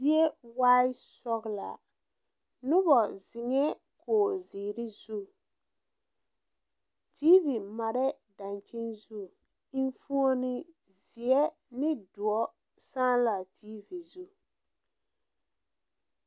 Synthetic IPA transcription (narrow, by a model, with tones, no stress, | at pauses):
zi˦e˦waː˦i˦sɔ˦ɣla̰˨ | nʊ˦bɔ˨zɪ˨ŋɛ˦ | koː˨ziː˨ɾɪ˦zu˦ | tiː˦vi˨ma˨ɾɛ˦ | da˨nt͡ʃi˦nzu˦ | i˦n˦fu˦o˦nɪ˦ | zi˨ɛ˦ | nɪ˦dʊ˨ɔ˦ | saː˦nla˨tʰiː˦vi˨zu˦